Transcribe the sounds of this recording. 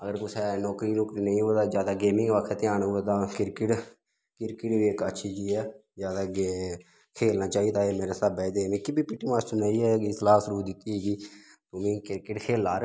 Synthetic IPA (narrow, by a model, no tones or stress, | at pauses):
əɡəɾkʊsʰɛːnɔːkɾiːnɔːkɾiːnəĩːɦoeːd̪aːzjaːd̪aːɡeːmɪ̃ŋɡʋakʰɛːt̪ɪjaːɳɦʊeːt̪ãːkɪɾkɪʈ | kɪɾkɪʈʋiːkətːʃʰiːd͡ʒiːɛːzjaːd̪aːɡeː | kʰeːlnaːt͡ʃaːiːd̪aːeːmeːɾeːsabɛːd̪eːmẽːkɪbiːpɪʈːiːmaːsʈəɾnaːiːɛːɡislaːsəɾuːd̪ɪt̪ːiːɦeːɡiː | t̪ʊmĩːkɪɾkɪʈkʰeːlaːɾ